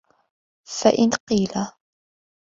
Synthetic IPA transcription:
faʔɪnqiːla

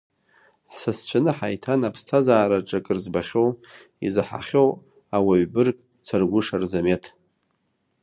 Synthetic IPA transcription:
ħsast͡ɕʷʰanɨħajtʰanapʰstʰazaːɾaʈ͡ʂʼakʼɨrzbaχʲo̞w | ḭzħa̰χʲo̞w | awaɥbɨrkʼ | t͡sʰarɡʷʊʂarzametʰ

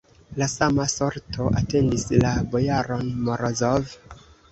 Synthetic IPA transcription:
lasamaso̞ɾtʰo̞ʔate̞ndislabojaɾo̞nmoɾozov

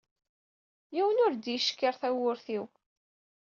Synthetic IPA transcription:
jiwənʊɾd̪jiʃkːəɾθæwʊɾθiw

